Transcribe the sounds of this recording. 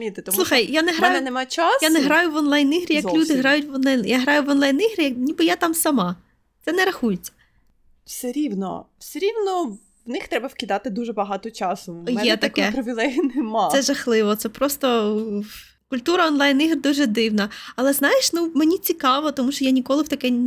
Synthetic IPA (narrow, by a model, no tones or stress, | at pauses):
mʲit̪ɪt̪ɔsmlˠuxɐjjanɛɦɾanj̪ʊnɛmajt͡ʃasjanɛɦɾɑjʊʋɔnlˠɑjniɦɾʲijɐlʲud̪ɪɦɾɑjʊtʲʋɔnˠajnjaɦɾɑjʊʋɔnlˠɑjniɦɾʲijɐknʲibɪjat̪ɑmsɐmɑ | t̪sɛnɛɾɐxujet͡sʲːɐ̥ | fsɛɾʲiwnɔ̰wsɛɾʲiwnɔ | wnɪxt̪ɾɛbɐwkʲid̪ɑt̪ɪd̪uʒɛbɐɦɑt̪ɔt͡ʃɑsʊjɛɛt̪ɐkɛpɾɔʋʲilˠɛinɛmɑsɛʒɐxlˠɪʋɔt̪sɛpɾɔst̪ɔ | kʊlʲt̪uɾɐɔnlˠɑjniɦrd̪uʒɛd̪ɪwnɐːlˠɛznɑjeʃnumenʲit͡sʲikɑʋɔt̪ɔmuʃt͡ʃɔjanʲikɔlˠɪwt̪ɐkɛ